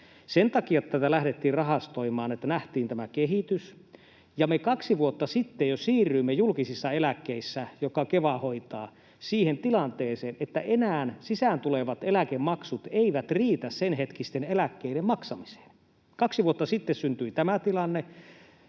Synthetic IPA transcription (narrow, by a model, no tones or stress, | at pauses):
sent̪ɑkiɑt̪t̪æt̪ælæhɾet̪ːiːrrɑɦɑst̪oimɑːnet̪ːænæht̪iːnt̪æmækeɦit̪ys | jɑmekɑksiʋuot̪ːɑsit̪ːejosiːrːˑyimːejulkisisːɑelækːeisːæjokɑkeʋɑhoit̪ɑ̰ː | siːhent̪ilɑnt̪eːseːnet̪ːæʔenæːnsisænt̪uleʋɑt̪elækemmɑksut̪eiʋæt̪riːt̪æssenhet̪kist̪enelækːeiɾemmɑksɑmise̥ːn | kɑksiʋuot̪ːɑsit̪ːessynt̪yit̪æmæt̪ilɑnːe